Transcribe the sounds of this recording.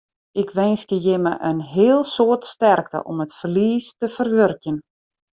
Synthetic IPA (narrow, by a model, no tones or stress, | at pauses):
ʔɪkʋɛnskəjɪməʔənɦɪəlˠsoətstɛrk̚tə̰ʔɔmətfərliːstəfərʋørkjən